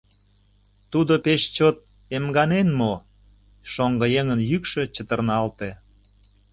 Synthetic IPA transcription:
t̪ud̪opeʃt͡ɕot̪̚ | emɡɑnenmo | ʃoŋɡə̆jeŋənjykʃet͡ɕət̪ərnɑlt̪e

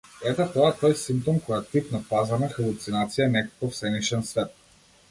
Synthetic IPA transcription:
ɛt̪ɛt̪ɔat̪ɔjsimp̚t̪omkojat̪ipnapazɐnɛxɐlˠut̪sinat̪sijanɛkokofsɛniʃɛnsvɛt̪̚

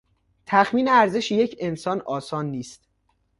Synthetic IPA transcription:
t̪ʰæxmiːneæɾzeʃjecʰe̞nsɒːnɒːsɒːnːiːst̪̚

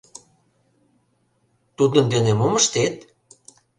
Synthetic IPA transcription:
t̪ud̪ənd̪enemoməʃt̪et̪

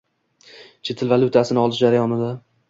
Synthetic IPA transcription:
t͡ʃʰe̞t̪ʰɪlvalˠʊt̪ʰasɪnɪɒlˠɪʃd͡ʒaɾajɒnɪd̪a

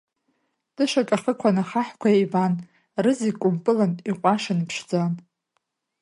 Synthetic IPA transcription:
d̥ɨʃakʼaχəkʷʰanaχaħkʷʰaivan | rɨzikʷʼʊmpʼɨlaniqʷʼaʂanpʰʂd͡zan

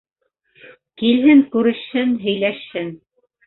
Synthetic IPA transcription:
kilɦɘŋkʉɾɘ̆ʃhɘnɦɵ̆jlæʃhɘn

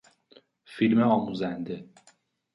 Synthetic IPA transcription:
filmeɒːmuːzænd̪e̞

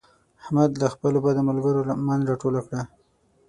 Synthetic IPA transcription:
ahmad̪laxpəlobad̪əmalɡəɾomanzɾaʈolakɽa

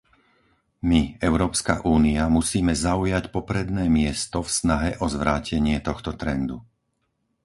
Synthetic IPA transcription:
miɛʊɾɔːpska̰ʔuːniamusiːmɛzaujacpɔpɾɛd̪nɛːmɪɛst̪ɔfsnaɦɛʔɔzʋɾaːcɛɲɪɛt̪ɔxt̪ɔt̪ɾɛnd̪u

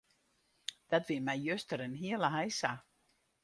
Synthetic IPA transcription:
d̥ɔtʋɪəmɛjjøstəɾənɦiələɦajsa

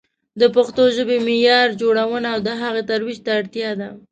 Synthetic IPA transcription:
d̪əpaxt̪oʒəbemɪjɑɾd͡ʒoɽawənaːwd̪əɦaɣet̪aɾwiʒt̪aːɽt̪jɑd̪a

